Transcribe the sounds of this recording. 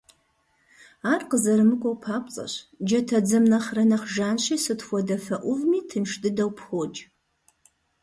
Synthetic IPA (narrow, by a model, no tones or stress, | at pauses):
aːrqəzɐɾɨmɨkʷʼɔwpʰaːpʷʼt͡sʼɐ̰ɕd͡ʒɐtʰɐd͡zɐmnɐχrɐnɐχʒaːnɕiːsɨtχʷɔdɐfɐʔʷʊvmiːtʰɨnʂtʼɨdɐwpʰχʷoːd͡ʒ